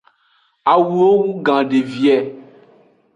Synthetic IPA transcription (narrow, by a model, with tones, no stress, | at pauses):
a˨wu˨o˦wu˦ɡã˨ɖe˨vi˨ɛ˨